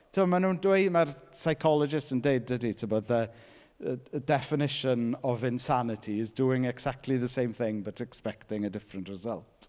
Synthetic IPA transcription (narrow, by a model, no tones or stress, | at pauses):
tʰəbɔmanũːndwejmarsajkʰɔlˠɔd͡ʒɪstəndeɨd̚dəditʰɪbɔðə | dɛfɪnɪʃənɔvɪ̃nsanɪtʰiɪzduɪŋɛksak̚tʰˡliðəsejmθɪ̃ŋbatʰɛkspɛktɪŋədɪfrəntrɛzəlˠt